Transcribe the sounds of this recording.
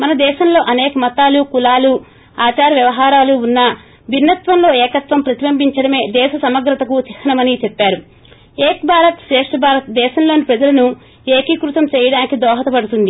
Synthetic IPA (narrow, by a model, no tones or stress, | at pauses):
mɐnɐd̪ɛːʃɐmlo̞ːʔɐneːkɐmɐt̪aːlukulaːlu | aːt͡ʃaːɾɐʋjɐʋɐɦaːɾaːluːnːɐ | ʋinːɐt̪ʋɐmlo̞ːɛːkɐt̪ʋɐmpɾɐt̪iʋɐmbiɲt͡ʃɐɽɐme̞ːd̪ɛːʃɐsɐmɐɡɾɐt̪ɐkut͡ʃihɐnɐmɐnit͡ʃepːaːɾu | eːkbʱaːɾɐt̪ʃɾɛːʂʈɐbʱaːɾɐt̪d̪ɛːʃɐmlo̞ːnipɾɐd͡ʒɐlɐnu | eːkikɾut̪ɐmt͡ʃɛːjɐɽaːnikid̪ɔːɦɐt̪ɐpɐɽut̪und̪i